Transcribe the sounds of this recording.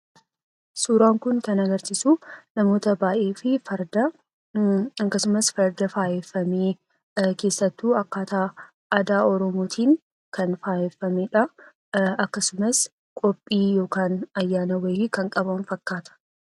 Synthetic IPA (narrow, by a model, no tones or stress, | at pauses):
suːɾaːŋkʊŋkɐnɐɡɐɾsɪsunɐmo̞ːt̪ɐbaːʔe̞ːfɪfɐɾd̪ɐ | ɐŋkːɐsʊmɐsfɐɾd̪ɐfaːjɛfːɐmeː | ke̞ːsːɐt̪ːuːɐkːaːt̪aː | ɐd̪aːɔɾɔmoːt̪ʰiːŋ | kɐnfaːjɛfːɐmeᶑɐ | ɐkːɐsʊmɐs | kʼɔpʼːiːjo̞ːkaːnɐjːaːnɐwɐjɪkɐŋkʼɐbɐnfɐkːaːt̪ɐ̥